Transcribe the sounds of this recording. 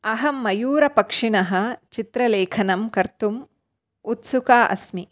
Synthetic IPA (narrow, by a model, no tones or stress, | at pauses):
ɐɦɐmːɐjuːɾɐpɐkʂinɐɦɐ̆t͡ʃit̪ɾɐleːkʰɐnɐmkɐɾt̪um | ut̪sukaːʔɐ̰smi